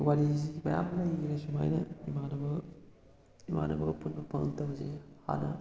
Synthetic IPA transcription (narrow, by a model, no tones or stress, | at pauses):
waɾizimɐja̰mlɐjɡiɾɐsuma̰jnɐimanɐbɐ | ima̰nɐbɐɡɐpunbɐpʰɐŋntɐbɐsiha̰nɐ̰